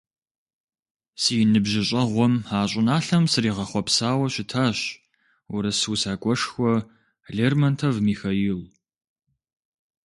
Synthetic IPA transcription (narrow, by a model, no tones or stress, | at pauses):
siːnɨbʒɪɕʼɐʁʷɔmaːɕʼɪnaːɬɐmsɨriːʁɐχʷɔpsaːwɐɕɪtʰaːɕ | wʊɾɐswsaːkʷʼɔʂxʷɔ | ɮeːrmɐntʰɐvmiːxɐjɪl